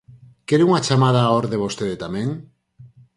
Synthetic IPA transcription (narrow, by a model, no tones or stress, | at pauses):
keɾuŋat͡ʃamað̞aːoɾðeβost̪eðet̪amẽŋ